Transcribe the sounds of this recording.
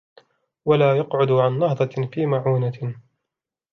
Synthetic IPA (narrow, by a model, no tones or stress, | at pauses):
walaːjɑqʕʊd̪ʕanːɑhðˤɑfiːmaʕuːna